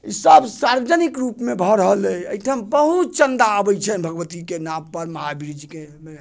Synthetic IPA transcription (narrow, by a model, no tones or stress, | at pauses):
isəbsaɾəd͡ʒənikɾupmebʱəɾəɦəlɛəiʈʰəmbəɦut̪̚t͡ʃənd̪aəbɛjt͡ʃʰɛbʱəɡʋət̪ikenampəɾməɦabiɾid͡ʒkeme